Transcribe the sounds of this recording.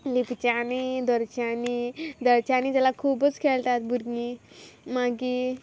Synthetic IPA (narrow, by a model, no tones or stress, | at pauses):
lipt͡ɕanid̪əɾt͡ɕanid̪əɾt͡ɕanid͡zalakʰubət͡skʰeɭt̪at̪buɾnimaɡi